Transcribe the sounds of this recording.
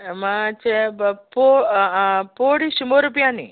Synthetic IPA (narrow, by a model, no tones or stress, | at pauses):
mãt͡ʃepo | poɽiʃumoɾupjãnḭ